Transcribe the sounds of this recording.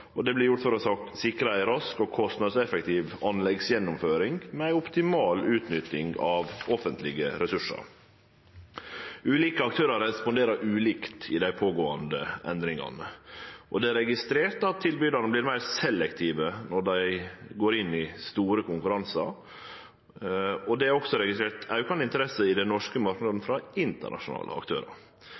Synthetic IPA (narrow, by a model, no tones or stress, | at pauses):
ɔd̪ɛblɪɾjʊʈ̪fɔɾɔsɑksɪkɾəæɪɾɑskɔkʰɔst̪nɑd̪sɛfɛkt̪ʰiːʋɑnlɛɡsjɛnːʊmføːɾɪŋɡmɛæɪɔpt̪ɪmɑːlʉːt̪nʏt̪ɪŋɑʋʔɔfənt̪lɪɡəɾɛsʉʂɑ̰ɾ | ʉːliːkəɑk̚t̪ʰøːɾɑɾɛspɔnd̪eːɾəɾʔʉːliːkt̪ɪd̪æɪpʰoːɡoːɑnd̪əɛ̰nd̪ɾɪŋɑ̰nəʔɔd̪ɛæɾɛɡɪst̪ɾeːt̪ɑt̪ʰːɪlbyːd̪ɑnəblɪːɾmæɪɾsɛlːɛkt̪ʰiːʋənɔɖæɪɡoːɾɪnːɪst̪uːɾəkʰʊŋkʉɾɑnsɑ̰ɾ | ɔd̪ɛæɾɔksɔɾɛɡɪst̪ɾeːɾt̪ɑʉkɑnɪnt̪əɾɛsəɪd̪ɛnɔʂkəmɑɾknɑd̪n̩fɾɑɪnt̪ə̰ɳʔɑ̰ʂʊnɑ̰ːlə̰ɑ̰kt̪ʰø̰ːɾɑ̰ɾ